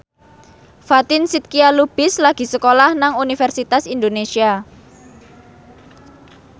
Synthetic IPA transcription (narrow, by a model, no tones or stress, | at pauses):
fat̪ɪnsit̪̚kialub̥ɪslaɡ̥i̤səkolahnaŋunifɛrsit̪asind̪onesia